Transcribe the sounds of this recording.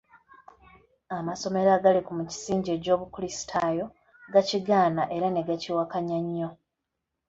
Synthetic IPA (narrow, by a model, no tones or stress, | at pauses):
amaso̞me̞ɾaɡalikumuci̥siːɲɟeco̞ːβukulisi̥tʰaːjo̞ | ɡaciɡaːnaʔe̞ɾane̞ɡaciwakaɲaɲːo̞